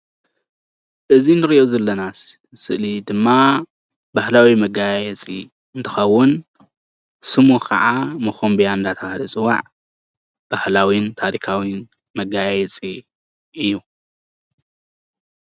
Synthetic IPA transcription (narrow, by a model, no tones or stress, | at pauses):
ʔɨzinɨɾiʔozɐlːɐnas | sɨ̰ʔlid̪ɨmːa | bahlawimɐɡajjɛt͡sʼi | ɨnt̪ʰɨxɐwːʊn | sɨmukʰɐ̰ʕamɐxombijaɨnd̪at̪ʰɐalit͡sʼɨwa̰ʕ | b̥ahlawint̪ʰaɾikʰawin | mɐɡajajɛt͡sʼi | ʔɨjːu